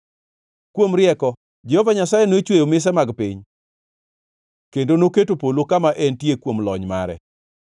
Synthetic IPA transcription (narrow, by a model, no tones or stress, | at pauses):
kwomɾɪɛkɔ | d͡ʒɛhɔvaɲasajenoet͡ʃwejomɪs̬ɛmaɡpɪɲ | kendonoketopolokamaʔɛntjekwomlɔ̰ɲma̰ɾɛ̰